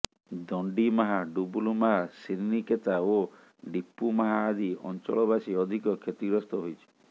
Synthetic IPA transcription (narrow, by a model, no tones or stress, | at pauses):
d̪ɔɳɖimaɦaɖubulumaɦasiɾniket̪ao | ɖipːumaɦaːd̪ʱiɔ̰nt͡ʃɔ̰ɭɔbasiɔd̪ʱikɔkʰet̪iɡɾɔst̪ɔɦojt͡ʃʰi̥